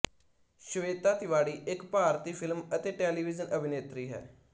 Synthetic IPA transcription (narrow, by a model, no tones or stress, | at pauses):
ʃəʋeːt̪aːt̪ɪʋaːɽiːʔɪkpaːɾt̪iːpʰɪlmət̪eːʈɛːliːʋɪzənəbʱɪneːt̪ɾiːɦɛ̰ː